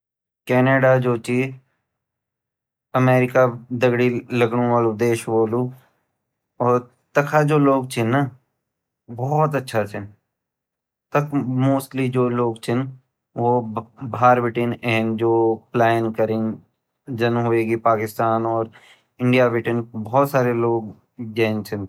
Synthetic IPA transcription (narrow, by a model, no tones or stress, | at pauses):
kɛːneːɖad͡ʒoːt͡ʃi | ɐmeːɾɪkad̪ɐɡɽilɐɡɽ̃õʋaːlũd̪eːʃboːlũ | ɔːɾ | t̪ɐkʰad͡ʒoːloːɡ̚t͡ʃʰɪnːa | bɔːt̪̬ɐtːʃʰat͡ʃʰɪn | t̪ɐkʰmoːsʈlid͡ʒoːloːɡt͡ʃʰɪn | ʋobʱaːɾʋɪʈɪnɛːnd͡ʒoːplɛːnkɐɾɪ̃ŋ | d͡ʒɐnmɦoeːɡipaːkɪst̪aːnɔːɾ | ɪ̃ɳɖijaʋɪʈənbɔːt̪saːɾeloːɡ̚ | d͡ʒɛːnt͡ʃʰɪn